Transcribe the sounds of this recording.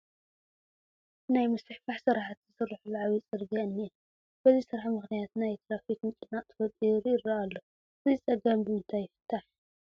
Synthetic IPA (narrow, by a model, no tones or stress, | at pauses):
najmɨsɨħfaħsɨɾaħat̪zɨsɨrːɨħulaʕaβit͡sʼɨɾɡɐɨnːi | b̥ɐzisɨɾaħmɨxnijat̪najt̪ʰɾafikmɨkʼnat̪ʰɨfɐd̪ʼiɾjɪraʔalːo | ɨzit͡sʼɐɡambɨmɨnt̪ʰajːɪfɨ̥t̪ʰːaħ